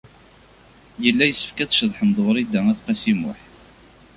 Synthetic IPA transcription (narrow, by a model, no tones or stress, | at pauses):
jəlːæjəsːə̥fkæt͡sʃəðˤħəmd̪ˤʊɾˤid̪æŋæθqæsimʊ̰ħ